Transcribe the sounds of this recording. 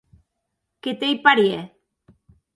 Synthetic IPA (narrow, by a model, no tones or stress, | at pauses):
ket̪ejpaɾje